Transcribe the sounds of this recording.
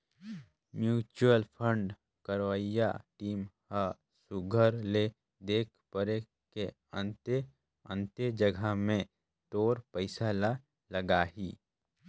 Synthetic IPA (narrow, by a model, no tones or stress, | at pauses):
mjuːt͡ʃuəlpʰə̃ɳɖ | kəɾʋaja̰ʈiːmha | sʊɡʱəɾle | d̪eːkʰpəɾe | ke | ə̃nt̪e | ə̃nt̪ed͡ʒəɡʱamẽ | t̪oːɾpəɪsaːla | ləɡaːɦiː